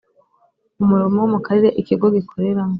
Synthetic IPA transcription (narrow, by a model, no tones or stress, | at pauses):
umuɾomowumukaɾeɾeʔikiɡoɡikʰo̞ɾe̞ɾaŋo